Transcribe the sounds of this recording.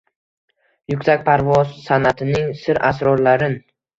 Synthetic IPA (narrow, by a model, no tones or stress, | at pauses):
jʊkʲsakʲpʰaɾvɒzsanat̪ʰɪnɪŋsɪɾʔa̰sɾɒɾlaɾɪn